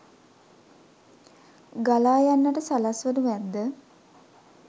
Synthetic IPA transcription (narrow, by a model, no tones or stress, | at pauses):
ɡalaːjanːəʈəsalasʋənuʋæd̪ːə